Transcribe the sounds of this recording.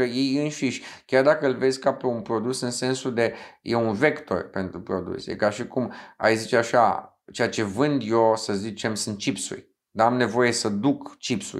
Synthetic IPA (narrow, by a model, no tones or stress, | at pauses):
əjejɨnʃiʃʲkʲjard̪akəɨlve̞zʲkapeunpɾo̞d̪usɨnse̞nsud̪e̞jeunve̞kt̪o̞̰rpe̞nt̪ɾupɾo̞d̪ṵsʲiḛkaʃikuma̰jzit͡ʃeaʃa̰ | t͡ʃe̞jat͡ʃe̞vɨnd̪jo̞səzit͡ʃe̞msɨnt̪̚t͡ʃipsṵrʲ | d̪aamne̞vo̞je̞səd̪ukt͡ʃipsṵ